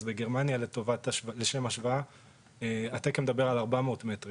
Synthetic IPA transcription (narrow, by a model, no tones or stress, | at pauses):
zbeɡe̞ʁmanjaletovatleʃe̞maʃvaa | eat̪ekemed̪abe̞ʁalaʁbamotmetʁi